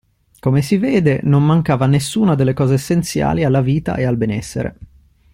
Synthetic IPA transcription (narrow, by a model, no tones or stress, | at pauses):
komesivɛːd̪enommaŋkaːvanesːuːnad̪elːekɔːzeːsːent̪sja̰ːlialːaviːt̪a̰ʔealbenɛsːḛɾḛ